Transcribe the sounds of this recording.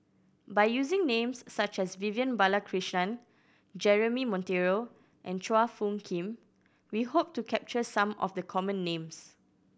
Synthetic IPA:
bajjuzɪ̃ŋnẽmsːat͡ʃɛsvivjə̃nbalakʰɹiʃnãn | d͡ʒɛɹəmimɔ̃nteɹo | ʔɛ̃nt͡ʃoafũnkʰĩm | wihop̚tukʰɛp̚t͡ʃəsãmɔ̰fdəkʰɔmə̃nːẽms

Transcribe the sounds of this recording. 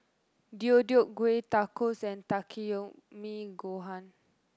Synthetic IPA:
diodiok̚ɡwet̪akɔsɛ̃nt̪akʰio | miɡoɦãn

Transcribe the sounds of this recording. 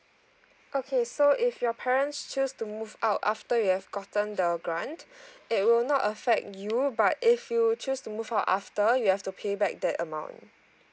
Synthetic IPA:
ʔokʰesoʔɪfjɔpʰɛɹə̃ntst͡ʃustumuvaʊtaftəjuhɛvɡɔtə̃ndəɡɹãntɪt̚wɪlnɔtəfɛk̚tjubatɪfjut͡ʃustumuvaʊta̰ftəjuhɛftupʰebɛk̚dɛtəmãʊ̃nt

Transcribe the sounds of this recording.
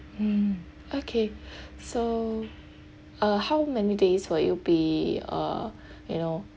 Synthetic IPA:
m̩ | okʰeso | ʌhaʊmɛnideswəjubiʌ̰ | jṵno

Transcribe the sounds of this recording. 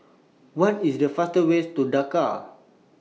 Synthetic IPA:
wãnisdəfastəwestudaka̰

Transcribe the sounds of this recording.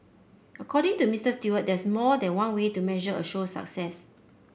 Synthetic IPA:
ʔəkʰɔɾɪ̃ŋtumistəstuwət̚dɛsmɔdɛ̃nwãnwetumɛʒəə̰ʃosa̰ksɛs

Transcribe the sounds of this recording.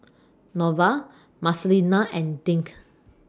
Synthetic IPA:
nɔva | maslinaʔɛ̃ndĩŋk

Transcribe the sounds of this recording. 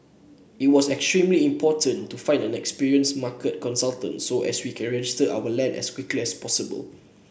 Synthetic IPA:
it̚wɔsɛkstɹĩmliĩmpʰɔtə̃ntːufãɪ̃ndɛ̃nɛkspiɹiə̃nsmakət̚kɔ̃nsaltə̰̃ntsoʔɛ̰swikʰɛ̃nɹɛd͡ʒɪstəʔa̰wəlɛ̃nɛ̰skwikliɛspɔsibə̰l

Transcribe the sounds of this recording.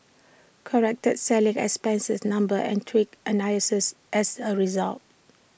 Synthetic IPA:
kʰəɹɛk̚təd̚sɛlĩŋɛ̰kspɛ̃nsəsnãmbəɛ̰̃ntʰwikʔənaləsəsʔɛsəɹizalt̚

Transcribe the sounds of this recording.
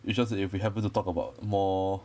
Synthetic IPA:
ʔɪsd͡ʒas̬ɛifwiɦɛvə̃ntutɔkəbaʊt̚mɔ

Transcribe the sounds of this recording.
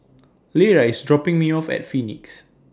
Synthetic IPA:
leɹaisdɹɔpɪ̃ŋmiɔfɛ̰tfiniks

